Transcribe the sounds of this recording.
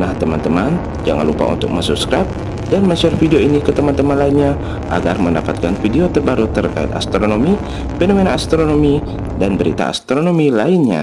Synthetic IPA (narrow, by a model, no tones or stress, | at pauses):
naht̪əmant̪əman | d͡ʒa̰ŋa̰nlupa̰ṵnt̪ʊk̚məŋsup̚skɾap̚ | danməsarfidioinikət̪əmant̪əmanlainɲa | ʔa̰ɡa̰rməndapat̪̚kanfideot̪ərbaɾut̪ərka̰ɪ̰t̪a̰st̪ɾonomi | fenomenaːst̪ɾonomi | danbəɾḭt̪a̰ːst̪ɾonomilaɪnɲa̰